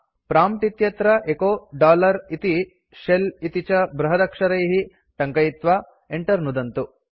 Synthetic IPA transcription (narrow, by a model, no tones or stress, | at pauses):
pɾaːmʈit̪jɐt̪ɾɐʔekoːɖaːlɐɾit̪i | ʃelit̪it͡ʃɐbɾɐɦɐd̪ɐkʂɐɾɐjɦi | ʈɐŋkɐjit̪ʋa | eɳʈɐɾnud̪ɐnt̪u